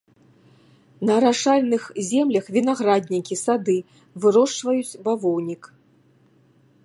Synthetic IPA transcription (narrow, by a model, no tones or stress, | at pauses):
nɐɾaʂalʲnɨxzʲɛmlʲɐxvʲinaɣɾad̪ʲnʲikʲisad̪ɨ | vɨɾɔʂt͡ʂvɐjut͡sʲbavɔwnʲik